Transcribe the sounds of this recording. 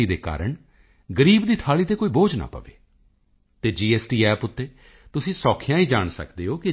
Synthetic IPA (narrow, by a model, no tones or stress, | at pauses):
iːd̪eːka̰ːɾəɳ | ɡəɾiːbd̪iːt̪ʰaːɭiːt̪eːkoːiːboːd͡ʒna̰ːpə̰ʋḛː | t̪eːd͡ʒiːɛːsʈiːɛːpʊt̪ːeː | t̪ʊsĩːsɔːkʰɪjãːiːd͡ʒaːɳsə̰kd̪eːɦoːkɪ